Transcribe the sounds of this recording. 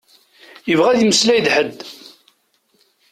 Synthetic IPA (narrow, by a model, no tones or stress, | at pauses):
jəvʁæðiməslæjd̪ħəd̪